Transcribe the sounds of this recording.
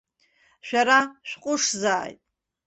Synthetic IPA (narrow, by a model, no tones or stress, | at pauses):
ʃᶣaɾaʃᶣqʷʼʊʂzaːjtʼ